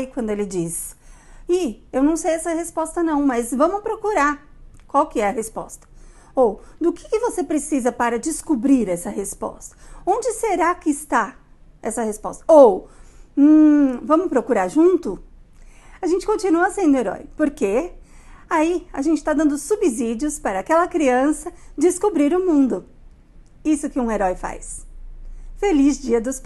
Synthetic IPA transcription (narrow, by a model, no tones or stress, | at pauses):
kwɐ̃nd̪ʊelɪd͡ʒis | iewnɐ̃w̃sejɛsɐhespɔst̪ɐnɐ̃w̃mɐzvɐ̃mʊpɾokuɾaɾkwawkɪɛɐhespɔ̰st̪ɐ̥ | owd̪ʊkɪ̥kɪvosepɾesizɐpaɾɐd͡ʒɪskubɾiɾɛsɐhespɔ̰st̪ɐ̥õnd͡ʒɪseɾakɪːst̪a | ɛsɐhespɔ̰st̪ɐow̩ | vɐ̃mʊpɾokuɾaɾʒũnt̪ʊ | aʒẽnt͡ʃɪkõnt͡ʃinuɐsẽd̪ʊeɾɔ̰jpoɾke | aiaʒẽnt͡ʃɪ̥t̪ad̪ɐ̃nd̪ʊsubizid͡ʒiʊspaɾɐakɛlɐkɾiɐ̃sɐd͡ʒɪskubɾiɾʊmũnd̪ʊ | isʊkɪũeɾɔjfa̰js | felizd͡ʒiɐd̪ʊsp